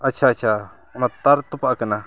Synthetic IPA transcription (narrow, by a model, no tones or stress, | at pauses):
at͡ʃʰaːt͡ʃʰa | ɔnat̪aɾt̪upaʔkəna